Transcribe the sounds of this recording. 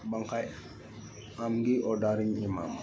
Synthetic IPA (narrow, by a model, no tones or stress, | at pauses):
baŋkaj | amɡiʔɔdaɾiɲima̰m